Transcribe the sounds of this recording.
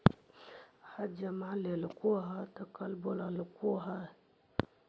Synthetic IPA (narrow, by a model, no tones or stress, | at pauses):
had͡ʒamaʕlelkoɦatakalbolalkuɦa